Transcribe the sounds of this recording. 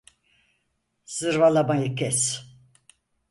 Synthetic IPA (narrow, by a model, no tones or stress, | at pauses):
sɨɾvalˠabajikʲɛs